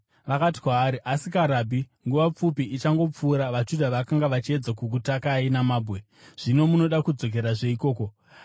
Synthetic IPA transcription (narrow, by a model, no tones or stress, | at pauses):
ʋakati̥kwaːɾiʔasikaɾabʱiŋɡuʋap͡fupiʔːt͡ʃaŋɡo̞p͡fuːɾaʋad͡ʒudʱaʋakaŋɡaʋat͡ʃie̞d͡zakuk̬utakainamaːbʱwe̞ | ʐ̥ino̞muno̞ɗakud͡zo̞k̬e̞ɾaʐe̞iko̞ːko̞